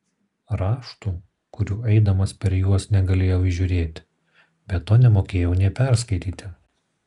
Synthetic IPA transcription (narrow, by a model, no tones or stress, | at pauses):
ɾɑːʃt̪uː | kʊɾʲuːɛɪd̪ɐmɐspʲɛɾjuɔsnʲɛɡɐlʲeːjɛʊɪʒʲʊːɾʲeːt̪ʲ | bʲɛt̪ːoːnʲɛmoːkʲeːjɛʊnʲeːpʲɛˑɾskɐɪt̪ʲiːt̪ʲɪ